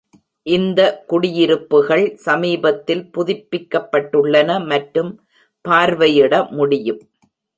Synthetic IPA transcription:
ʔɪnd̪ɐkʊɽɪjɪɾɯpːɯɣɐɭsɐmiːbɐt̪ːɪlpʊðɪpːɪkːɐpːɐʈːɯɭːɐnɐmɐʈɾɯm | paːɾʋɐjɪɽɐmʊɽɪjɯm

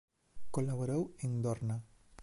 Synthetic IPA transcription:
kolaβoɾewend̪ɔɾna

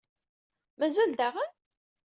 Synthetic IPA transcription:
mæzæld̪aʁən

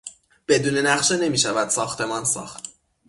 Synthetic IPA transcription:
b̥e̞d̪uːne̞næχʃe̞ne̞miːʃævæd̪̥sɒːxt̪ʰe̞mɒnsɒ̰ːxt̪

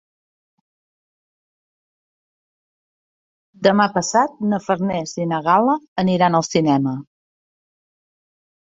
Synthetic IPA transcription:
d̪əmapəsat̪̚nəfəɾnɛzinəɣaləːniɾanəlˠsinɛmə

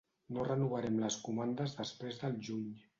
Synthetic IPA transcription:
norənuβ̞əɾɛmləskumand̪əzðəspɾezðəlˠʒuɲ

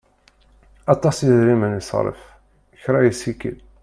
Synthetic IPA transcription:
ɑt̪ˤɑsjiðɾimənisˤɾˤə̰f | çɾæjisikə̰l

